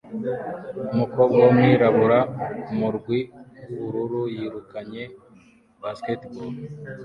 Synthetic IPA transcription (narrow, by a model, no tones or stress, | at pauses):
umukobɡomwiːɾaβuɾamuɾɡwiβuɾuɾujiɾukaɲe | basketbul